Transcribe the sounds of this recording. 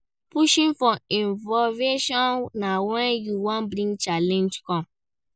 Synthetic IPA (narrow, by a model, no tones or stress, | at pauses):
puʃĩnfɔĩnvɔveʃɔ̃nnawɛ̃njuwɔ̃nbɾĩŋɡt͡ʃalɛ̃nd͡ʒkɔ̃m